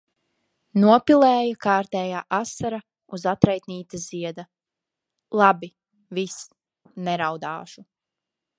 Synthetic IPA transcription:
nuɔpilˠɛːjakaːɾt̪ɛːjaːʔasaɾa | uzat̪ɾajt̪niːt̪aziɛd̪a | lˠabi | vis | nɛɾawd̪a̰ːʃu

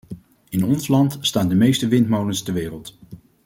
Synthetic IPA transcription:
ɪnɔnslɑntstaːndəmejstəʋɪntmowlənstɛɹʋɪːrəlˠt

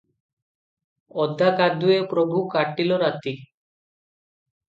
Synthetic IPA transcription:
ɔd̪ʱːakad̪uepɾobʱukaʈːiloɾat̪i

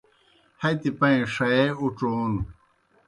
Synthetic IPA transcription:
hɐjt̪ipɐĩʂɐeuʈ͡ʂoːnu

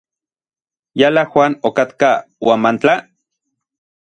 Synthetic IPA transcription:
jalaxwaːnokat̪kawamant͡ɬa

